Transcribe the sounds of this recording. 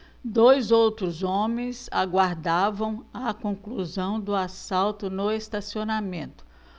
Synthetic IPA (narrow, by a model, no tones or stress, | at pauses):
d̪ojzowt̪ɾʊzõmẽj̃zaɡwaɾd̪avɐ̃w̃ɐkõkluzɐ̃w̃d̪ʊasawt̪ʊnʊest̪asionamẽnt̪ʊ̥